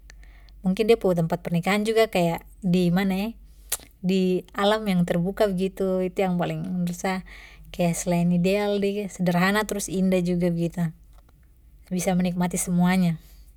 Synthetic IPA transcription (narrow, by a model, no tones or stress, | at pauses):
muŋkɪndiaput̪əmpat̪̚pərnikaɦand͡ʒuɡakajaʔ | dimanaɛ | dialamjaŋt̪ərbukabəɡit̪uit̪ujaŋpalɪŋɾusakajaʔsəlaɪnidealdisədəɾɦanat̪əɾʊsindahd͡ʒuɡabəɡit̪u | bisamənik̚mat̪isəmuaɲa